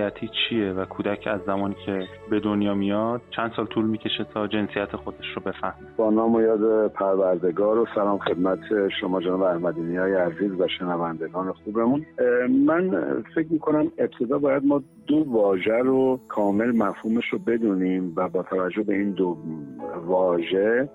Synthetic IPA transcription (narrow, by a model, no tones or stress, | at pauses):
jæt̪ʰiːt͡ʃʰievækʰuːd̪æcʰæzːæmɒːniːcʰe | be̞d̪onjɒːmijɒd̪̥̚t͡ʃʰænd̪sɒːlt̪ʰuːlmiːcʰe̞ʃet̪ʰɒːd͡ʒe̞nsijæt̪ʰexod̪eʃɾobe̞fæhmib̥ɒːnɒːmojɒːd̪epʰæɾvæɾd̪e̞ɡɒːɾosælɒːmxe̞d̪mæt̪ʰeʃo̞mɒːd͡ʒenɒːbeæhmæd̪iːnijɒːjeæziːzvæʃe̞nævænd̪e̞ɡɒːne̞xube̞munmænfe̞cmiːkʰo̞næme̞b̚t̪ʰe̞d̪ɒːbɒːjæd̪mɒːd̪ovɒːʒæɾokʰɒːme̞lmæfhuːmeʃɾobe̞d̪uːniːmvæbɒːt̪ʰævæd͡ʒːobe̞iːnd̪o | vɒːʒe̞